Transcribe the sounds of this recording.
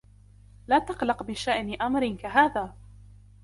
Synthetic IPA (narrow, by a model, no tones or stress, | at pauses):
laːt̪ɑqlɑqbɪʃaʔnɪʔamɾɪkaɦaːðaː